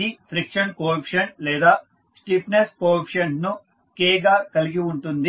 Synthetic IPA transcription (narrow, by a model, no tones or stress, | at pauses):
ipʰɾikʂɐnkoːɾɐpʂɐnlɛːd̪aː | sʈiːpneskoːɾɐpʂɐnnu | kɛːɡaːkɐliɡiuɳʈund̪i